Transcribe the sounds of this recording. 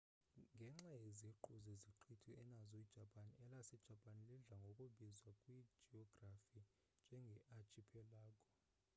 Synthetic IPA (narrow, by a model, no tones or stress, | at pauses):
ŋɡʱɛŋ͡ǁajeziǃuzeziǃʰitʰiɛnazɔid̥ʒ̥ʱapʰʼaniɛlasɛd̥ʒ̥ʱapʰʼaniliɮaŋɡʱokʼuɓizwakʼwi̥d͡ʒiɔɡ̥rafi | nd͡ʒʱɛŋɡʱɛʔat͡ʃʰʼipʰɛlaːkʼɔ̥